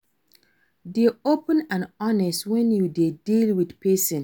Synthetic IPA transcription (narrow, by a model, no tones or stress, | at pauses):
diopə̃nãnɔnɛstwɛ̃njudedilwidpesə̃n